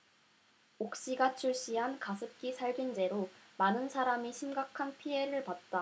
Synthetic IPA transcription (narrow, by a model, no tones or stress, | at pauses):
ok̚ɕ͈iɡat͡ɕʰuɭɕ͈iɦankasʰɯp̚k͈isʰaɭɡind͡ʑe̞ɾomanɯnsʰaɾamiɕʰimɡakʰanpʰie̞ɾɯɭpat̚t͈a